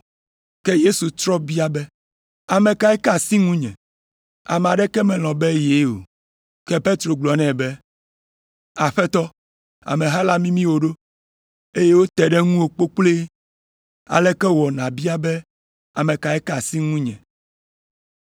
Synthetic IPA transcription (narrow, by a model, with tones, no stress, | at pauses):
kɛ˦je˦su˨t̪ɾɔ˦bi˦a˨bɛ˦ | a˨mɛ̃˨ka˨ɛ˦kɛ˦a˨si˦ŋũ˦ɲɛ̰̃˨ | a̰˨mɛ̃˨a˨ɖɛ˦kɛ˦mɛ̃˨l̃ɔ̃˨bɛ˦je˨˦o̰˨ | kɛ˦pe˦t̪ɾo˨ɡ͡blɔ˨nɛ̃˨bɛ˦ | a˨ɸɛ˦t̪ɔ˦ | a̰˨mẽ˨ɦa˦la˦mĩ˦mĩ˦wo˨ɖo˦ | e˦je˦wo˦t̪ɛ˨ɖɛ˦ŋũ˦wo˨k͡po˦k͡ple˦ | a̰˨lɛ˦kɛ˦wɔ˨nã˨bi˦a˦bɛ˦ | a˨mɛ̃˨ka˨ɛ˦kɛ˦a˨si˦ŋũ˦ɲɛ̰̃˨